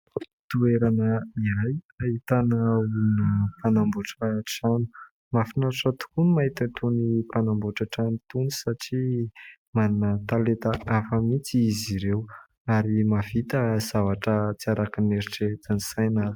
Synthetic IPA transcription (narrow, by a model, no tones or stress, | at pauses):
t̪ueɾanəiaj | aɦit̪anaunəpʰanambuʈ͡ʂaʈ͡ʂanu̥ | mafinaaʈ͡ʂat̪u̥kunimaɦit̪at̪ʰunipanambuʈ͡ʂaʈ͡ʂanut̪uni̥saʈ͡ʂi | manunət̪alet̪aʔafəmit͡siiziɾew | aɾimavit̪əz̥avaʈ͡ʂət͡siaɾakineɾiʈ͡ʂet̪anisajnal̥